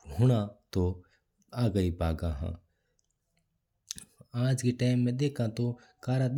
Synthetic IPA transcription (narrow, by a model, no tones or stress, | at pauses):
hʊɳ̃ãːt̪oː | aːɡəiːpaːɡãːɦã̰ː | aːd͡ʒkeːʈaːmːẽːd̪eːkʰãːt̪oː | kaːɾaːɗ̪